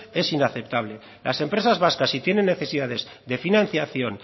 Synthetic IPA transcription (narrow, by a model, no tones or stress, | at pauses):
e̞sinaθept̪aβ̞le̞ | lʔa̰se̞mpɾe̞sazβaskasit̪je̞ne̞nːe̞θe̞siðaðe̞z | d̪e̞finãnθjaθjo̞n